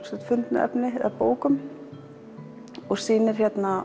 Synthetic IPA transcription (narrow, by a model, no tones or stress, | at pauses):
sɛt̪fʏnt̪nʏ̰ʔɛ̰pnɪa̰poːwkʏm | ɔɣsiːnɛɾ̥çjɛt̪na